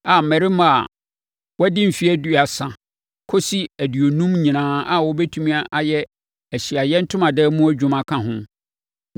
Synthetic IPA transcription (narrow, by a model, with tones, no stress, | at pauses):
a˨mɛ̃˨ɾi˦mã˨a̰˨ | wɔ˦dɪ̃˦m̩˨fi˦æ˦du˦a˨sã˨ | kʰo˦si˦æ˨dɥo˨nũ˦mɲĩ˨nãː˦a˨wɔ˦bɛ˦tʰũ˦mĩ˦a˦ʔa˨jɛ˦ | æ˨ɕi˨a˨jɛ˦n̩˦tʰʊ̃˦mã˨dɛ˦mũ˦æ˦d͡ʑᶣʊ̃˦mã˨kʰã˨ɦʊ̃˦